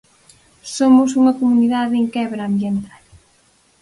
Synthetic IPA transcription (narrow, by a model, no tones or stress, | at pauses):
somʊs̬uŋɐkomuniðaðeŋkɛβɾaːmbjent̪al